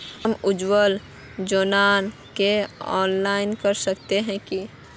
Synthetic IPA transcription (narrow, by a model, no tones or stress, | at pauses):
əmʊd͡ʒwəl | d͡ʒoːnaːn | keɔ̰ːnlaːɪnkəɾsəkt̪eɦɛ̃ki